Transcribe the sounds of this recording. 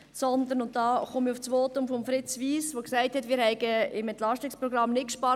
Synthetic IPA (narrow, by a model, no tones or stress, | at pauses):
sɔnd̪ənʊnt̚dɑːχomiʊft͡sʋoːtʊmfɔmfɾɪt͡sʋiːsʋoksæɪthɛtmɪːɾhɛɪɡəɪmɛnt̪lɑʃtɪkspɾɔɡɾɑmnɪt̚kʃpɑ